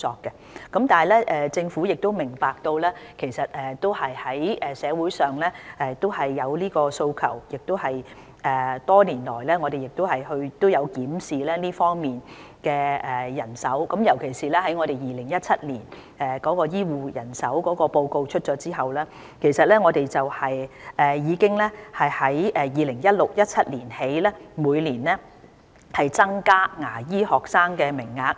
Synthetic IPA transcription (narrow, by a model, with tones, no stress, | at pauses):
ɔː˧kːɛ˧ | kɐ˨˥mt̪aː˨˩lɛː˥ʔɛː˨t͡sɪ˧ŋfu˨˥jɪ˨k̚t̪o˥wmɪ˨˩ŋpaː˨k̚t̪o˧wlɛː˥kʰe˨˩jsɐ˨t̚ɛː˨t̪o˥whɐ˨jhɐ˨˥jɛː˨˩sɛː˨˧wuː˨˥jsœː˨ŋlɛː˥ʔɛ˨t̪o˥whɐ˨jːɐ˨˧wliː˥kɔː˧so˧wkʰɐ˨˩wjɪ˨k̚t̪o˥whɐ˨j | ʔɛː˨t̪ɔː˥liː˨˩nlɔ̰ː˨˩jlɛː˥ŋɔː˨˧d̪e˨jɪ˨k̚t̪o˥whɐ˨jhɵ˧ɥt̪o˥wjɐ˨˧wkiː˨˥msiː˨lɛː˥liː˥fɔː˥ŋmiː˨˩n | kɛː˧ɛː˨jɐ˨˩nsɐ˨˥wkɐ˨˥mjɐ˨˩wkʰe˨˩jsiː˨lɛː˥hɐ˨˥jŋɔ˨˧ɾe˨jiː˨˩lɪ˨˩ŋjɐ˥t̚t͡sʰɐ˥t̚liː˨˩n | ɛː˨kɔː˨˥kɔː˧jiː˥wuː˨jɐ˨˩nsɐ˨˥wkɔː˨˥kɔː˧po˧wko˧wt͡ʃʰɵ˥t̚t͡ʃɔː˨˧˥t͡siː˥ɦɐ˨wlɛː˥ | kʰe˨˩jsɐ˨t̚lɛː˥ŋɔː˨˧te˨jt͡sɐ˨whɐ˨jʔɛː˨˩jiː˨˧kɪ˥ŋlɛ˥hɐ˨jhɐ˨˥jɛː˨jiː˨lɪ˨˩ŋjɐ˥t̚lʊ˨k̚jɐ˥t̚t͡sʰɐ˥t̚liː˨˩nhe˨˥jlɛː˥muː˨˧jliː˨˩nlɛː˥ | hɐ˨jt͡sɐ˥ŋkaː˥ŋaː˨˩jiː˥hɔː˨˩k̚saː˥ŋkɛː˧mɪ˨˩ŋːaː˧k̚